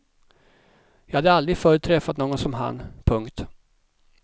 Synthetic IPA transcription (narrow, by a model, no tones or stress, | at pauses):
jɑːhad̪ːəald̪ɾɪɡfœːɾɵt̪ʰːɾɛfːat̪noːɡɔnsɔmɦa̰npʰɵŋkt̪